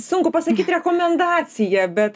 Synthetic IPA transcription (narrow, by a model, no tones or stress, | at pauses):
sʊŋkʊpɐsɐkʲiːt̪ɾʲɛkoːmʲɛnd̪ɑːsʲɪjɛbʲɛt̪